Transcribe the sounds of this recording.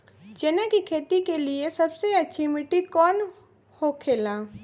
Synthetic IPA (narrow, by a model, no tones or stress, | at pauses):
d͡ʒenẽkikʰeːt̪ikeliesəbseətːʃʰimɪʈikɔːn | hokʰeːlã